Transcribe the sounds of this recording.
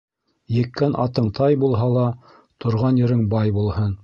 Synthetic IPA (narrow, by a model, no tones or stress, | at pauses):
jɘ̆kːænʔɑ̰t̪ɤɴt̪ʰɑjbulˠɦɑlˠɑ | t̪ŏɾʁɑnjɘ̆ɾɘŋbɑjbulˠhɤn